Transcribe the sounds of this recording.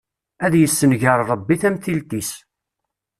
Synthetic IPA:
æðjəsːənʝəɾˤɾˤəbːiθæmθilt̪is

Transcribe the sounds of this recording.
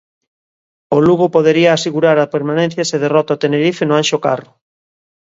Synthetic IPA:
oluɣopoðeɾiaːseɣuɾaɾapeɾmanẽn̟θjaseðerɔt̪aot̪eneɾifenʊãnʃoka̰rʊ

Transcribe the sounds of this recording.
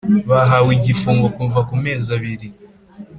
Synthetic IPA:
βaɦawiɟifuːŋɡo̞kuɱvakume̞ːzaβiɾi

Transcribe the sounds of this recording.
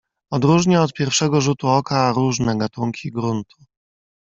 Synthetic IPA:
ɔd̪ɾuʐɲaɔt̪̚pʲjɛɾfʂɛɡɔʐut̪uɔkaɾuʐnɛɡat̪uŋkʲiɡɾunt̪ʰu̥

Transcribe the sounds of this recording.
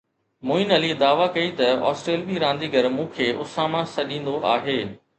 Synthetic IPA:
moːɪnɐlid̪aːʋakɐit̪ɐɔ̰ːsʈɾeːlbiɾãːn̆d̪iɡʱɐɾmũːkʰeːʔʊsaːmãsɐɗĩːn̆d̪oʔaːɦeː

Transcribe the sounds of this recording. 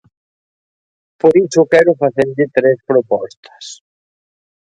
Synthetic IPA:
poɾisʊkɛɾʊfaθeɾʎɪt̪ɾespɾopɔst̪ɐ̥s

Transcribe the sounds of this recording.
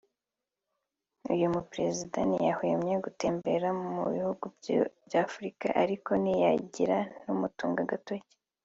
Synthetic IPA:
ṵjumupɾe̞zidanijahojemɲeɡute̞ːmbe̞ɾamumṵβihuɡubjafuɾikaʔaɾiko̞nijaɟiɾanumutuːŋɡaɡatoce̥

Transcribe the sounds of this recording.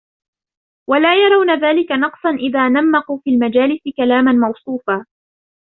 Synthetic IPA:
walaːjɑɾˤɑwnaðaːlɪkanɑqsˤɑnʔɪðaːnamːɑquːfiːlmad͡ʒaːlɪsɪkalaːmanmɑwsˤuːfaː

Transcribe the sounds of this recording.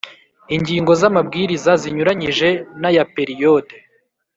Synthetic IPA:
iɲɟiːŋɡo̞zamabɡiːɾizaziɲuɾaɲiʒe̞najape̞ɾijode

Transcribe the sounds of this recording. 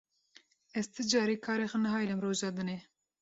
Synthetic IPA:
ɛzt̪ʰɨd͡ʒɑːɾeːkʰɑːɾexənɛɦɑːjlɛmroːʒɑːd̪ɨne

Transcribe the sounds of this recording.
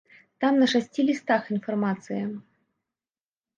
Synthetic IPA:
t̪amnɐʂasʲt͡sʲilʲist̪axinfarmat̪sɨjɐ

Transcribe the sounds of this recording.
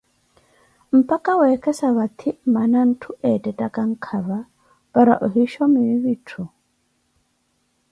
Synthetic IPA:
m̩pakawɛkʰɛsaβat̪ʰɪmanan̩tʰuɛtʼɛtʼakaŋ̩kʰaβa | baɾa̰ʔɔɦiʃɔmiβitʰu

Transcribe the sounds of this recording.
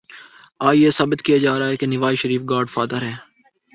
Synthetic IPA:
aːjeːsɐːbət̪kijad͡ʒaːɾaːɦɛkenɪʋaːjʃəɾiːfɡaːɾɖfaːd̪əɾɦɛː

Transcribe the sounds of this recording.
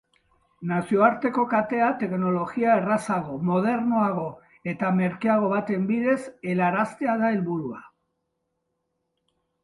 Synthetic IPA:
nasio̞aɾt̪e̞ko̞kat̪e̞at̪e̞kno̞lo̞ɣiaerasaɣ̞o̞mo̞ð̞e̞ɾno̞aɣ̞o̞ | e̞t̪ame̞ɾkiaɣ̞o̞βat̪e̞mbiðe̞se̞laɾast̪eaðaelβuɾua

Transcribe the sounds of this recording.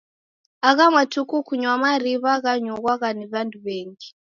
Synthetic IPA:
aɣamwatʰukukuɲwamaɾiβaɣaɲɔɣwaɣaniβanduβeːŋɡi

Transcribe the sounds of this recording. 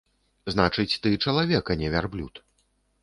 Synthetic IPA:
znat͡ʂɨt͡sʲt̪ɨt͡ʂɐlˠavʲɛkɐnʲɛvʲarblʲṵt̪

